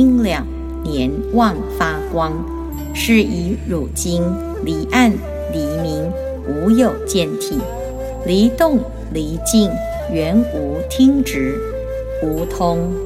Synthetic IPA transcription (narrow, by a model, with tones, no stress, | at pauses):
ŋljɑ˨˩ŋ | njɛ˧˥nwɑ˥˧˩ŋfa˥kwɑ˥ŋ | ʂɻ̩˥˩i˧˥ɻu˨˩t͡ɕi˥ŋ | li˨˥ʔa˥˩n | li˧˥mi˧˥ŋ | u˧˥jo˨˩ʊt͡ɕjɛ˥˧nt̪ʰi˨˩ | li˧˥t̪ʊ˥˩ŋ | li˧˥t͡ɕi˥˩ŋ | ɥɛ˧˥nu˧˥t̪ʰi˥ŋʈ͡ʂɻ̩˧˥ | u˧˥t̪ʰʊ˥ŋ